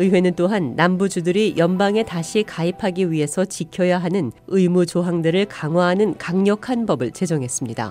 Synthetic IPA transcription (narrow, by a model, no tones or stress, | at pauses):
ɯiwe̞nɯnt͈oɦanːambud͡ʑudɯɾijʌnbaŋe̞taɕʰikaipʰaɡiɥiɦe̞sʰʌt͡ɕikʰjʌjaɦanɯnɯjmut͡ɕoɦaŋdɯɾɯɭkaŋwaɦanɯnkaŋɲʌkʰanbʌbɯɭt͡ɕe̞d͡ʑʌŋɦes͈ɯmɲida̰